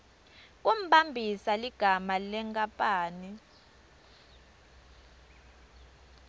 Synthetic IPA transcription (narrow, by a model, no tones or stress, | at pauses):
k̬ʼum̩ɓambʱisaliɡ̥ʱamalɛŋkʼapʼaːni